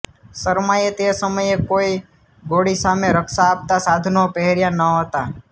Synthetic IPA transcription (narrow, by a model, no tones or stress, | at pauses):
səɾmajet̪esəməjekoi | ɡoɽisameɾəkʃaːp̚t̪asad̪ʱnopɛɦeɾjãnəɦət̪a